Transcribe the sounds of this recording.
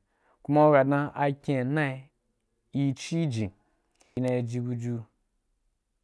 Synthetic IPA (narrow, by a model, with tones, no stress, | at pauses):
ku˦ma˦o˦ɡa˨dnã˦ʔa˧kʲe˨nã˦˨˦ | i˦t͡ʃi˦d͡ʒĩ˨ | i˨˧nã˧i˧d͡ʒi˧ɡu˧d͡ʒu˧